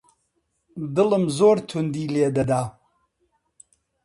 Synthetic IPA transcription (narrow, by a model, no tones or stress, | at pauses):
d̪ɨlɨmzoːɾt̪ʰʊnd̪iːleːd̪ɐd̪a